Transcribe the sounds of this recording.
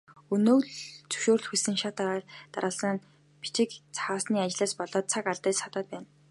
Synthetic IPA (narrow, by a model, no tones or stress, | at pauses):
unoːɮt͡sɵ̥ʃoːrɮxusɘ̆ŋʃat̪ːt̪a̰ɾə̆ɮsə̆n | pi̥t͡ɕɪ̆kt͡sʰaaːsniːat͡ɕɪ̆ɮaːspɔɮɔːt̪̚t͡sʰakaɮt̪əːt͡ɕsat̪ə̆ːt̪̚pæːn